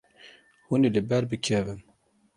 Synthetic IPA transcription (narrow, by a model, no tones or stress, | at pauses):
huniləbæɾbəkʰːævən